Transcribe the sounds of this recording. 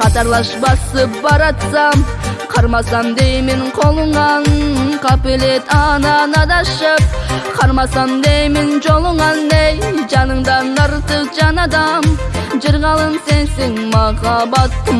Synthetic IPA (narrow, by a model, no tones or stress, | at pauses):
qʰɑt̪ɑɾlˠɑʃbɑsəpbɑɾɑt̪sɑm | qʰɑɾmɑsɑmd̪ejmenqʰo̞lˠəɴʁɑnqʰɑpelet̪ɑnɑnɑd̪ɑʃəp̚qʰɑɾmɑsɑmd̪ejmenʒolˠəɴʁɑnd̪ejʒɑnəɴd̪ɑnd̪ɑɾt̪əqʒɑnɑd̪ɑmʒəɾʁɑlˠənse̞nseŋmɑχɑbɑt̪ːəm